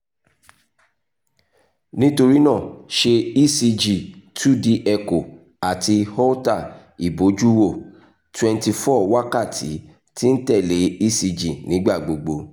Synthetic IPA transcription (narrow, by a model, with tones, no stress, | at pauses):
nĩ˦to˧ɾi˦nã˦˨ʃe˧i˦˨si˧d͡ʒi˦˨tʰu˦˨di˧ʔɛ˧ko˨ | a˨ti˧hɔ˦ta˦˨ | i˨bo˨˦d͡ʒu˦wo˦˨ | twɛ̃˨˧nti˧fɔ˦wa˦ka˦˨tʰi˨˦ | ti˦n̩˦tɛ˦˨le˨˦i˦si˧d͡ʒi˦˨nĩ˨˦ɡ͡ba˦˨ɡ͡bo˨ɡ͡bo˧